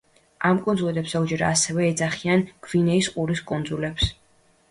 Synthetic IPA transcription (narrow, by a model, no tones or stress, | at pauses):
amkʼunzulɛpsaud͡ʒɛɾa̰ːsɛvɛːd̪zaχianɡ̥vinɛisqʼuɾiskʼund̪zulɛps